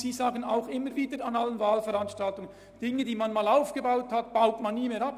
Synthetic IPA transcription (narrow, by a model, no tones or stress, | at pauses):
z̥iːzaːɡəna̰ʊxɪmːəɾviːdəɾanalənvaːlfəɾanʃtaltʊŋ | d̥ɪŋədiːmanmaːlaʊfɡ̥əbaʊthatb̥aʊtmanːiːmeːɾap